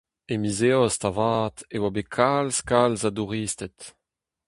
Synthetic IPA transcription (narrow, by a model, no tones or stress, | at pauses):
emizeɔst̪avaːt̪ewabekʰalskalzaduʁiːst̪ɛt̪